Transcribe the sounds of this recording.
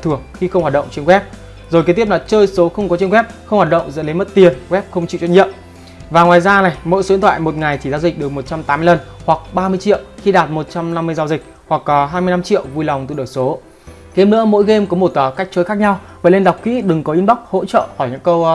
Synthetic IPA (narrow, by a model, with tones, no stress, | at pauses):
t̪ʰɨ˨˩ə˩k̚xi˧xə˧wŋ͡mhaː˨˩ɗə̰˧˨ŋ͡mt͡ɕi˧nwɛ˦˥p̚ | zo˨˩jkːt̪i˦˥la˨˩˦t͡ɕəː˧jso˨˦xə˧wŋ͡mkɔ˨˦t͡ɕi˧nwɛ˦˥p̚xə˧wŋ͡mhwa˨˩t̚ɗə̰˧˨wŋ͡mzə̰˧˥nlə˨˦mə˦˥t̚t̪i˨˩ənɣwɛ˦˥p̚xə˧wŋ͡mt͡ɕḭ˧˨wt͡ɕɔ˧˦ɲḭ˧˨əm | vaː˨˩ŋwaː˨˩jzaː˧na˨˩jmo̰˧˥jso˨˦i˨˧˥nt̪ʰwa̰ː˧˨jmo˨˩t̚ŋa˨˩jt̪ʰi˧˩zaː˧zi̟˨˩ɗɨ˨˩ək̚mo˨˩t̚t͡ɕa˧mt̪aː˨˦mɨ˧lə˧˩nhwa˨˩k̚ɓaː˧mɨ˧əjt͡ɕḭ˧˨əwxi˧ɗaː˨˩t̚mo˨˩t̚t͡ɕa˧mna˧mːɨ˧əjzaː˧wzï˨˩k̚ | hwa˨˩k̚ːɔ˨˦ɦaː˧jmɨ˧əjna˧mt͡ɕḭ˧˨əwvu˧jla˨˩wŋ͡mt̪ɨ̰˧˨ɗəː˧˩jso˨˦ | ɣe˧mnɨ̰˧˥əmo̰˧˥jɣe˧mkɔ˨˦mɓo˧˩t̪waː˨˩ka˦˥k̟̚t͡ɕəː˨˦jxaː˦˥k̚ɲa˧w | vaː˨˩le˧nɗa˨˩wk͡p̚kḭ˧˥ɗɨ˨˩ŋkɔ˨˦ʔi˧nɓa˦˥wk͡p̚ho̰˧˥t͡ɕə̰ː˧˨xɔ˧˩jɲɨ̰˧˥ŋkə˧w